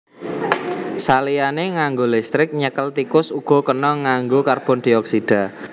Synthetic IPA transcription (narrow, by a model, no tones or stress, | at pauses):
salianeŋaŋɡolɛst̪ɾɪk̚ɲəkəlt̪ikʊsuɡ̥ɔ̤kənɔŋaŋɡokarb̥ɔ̤nd̥̪iɔksid̥a̤